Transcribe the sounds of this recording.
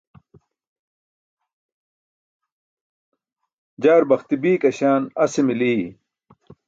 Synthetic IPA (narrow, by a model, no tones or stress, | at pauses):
d͡ʑaːɾbɐxt̪ibiːkɐɕaːnɐsimiliː